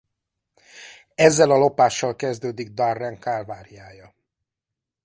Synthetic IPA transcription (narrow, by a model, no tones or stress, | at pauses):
ɛzːɛlɒlo̞paːʃːɒlkɛzd̪øːd̪iɡ̚d̪ɒrːɛŋkalvaːɾijaːjɒ